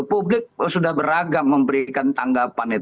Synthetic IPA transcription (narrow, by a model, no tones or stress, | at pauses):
publɪk̚sudahbəɾaɡamːəmbəɾikant̪aŋɡapanit̪